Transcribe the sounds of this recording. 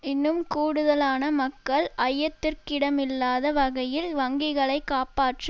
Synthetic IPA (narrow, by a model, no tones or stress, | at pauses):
ɪnːɯmkuːɽɯðɐlaːnɐmɐkːɐɭʔɐjːɐt̪ːɪrkɪɽɐmɪlːaːðɐʋɐɣɐjɪlʋɐŋɡɪɣɐɭɐɪkːaːpaːʈrɯ